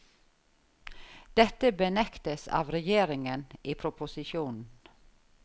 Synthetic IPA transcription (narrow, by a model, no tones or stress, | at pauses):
d̪̥ɛt̪əbənɛkt̪əsɑ̰ːʋɾɛjeːɾɪŋəniːpʰɾʊpʊsɪʃuːnn̩